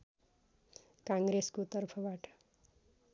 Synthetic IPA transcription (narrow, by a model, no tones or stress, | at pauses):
kãŋɡɾeskot̪ʌrpʰʌbaʈʌ̥